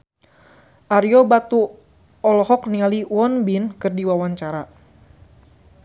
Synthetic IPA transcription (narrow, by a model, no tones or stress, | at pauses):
ʔaɾiɔbat̪u | ɔlɔhɔk̚nialiwɔnbinkɨrdiwawaɲt͡ʃaɾa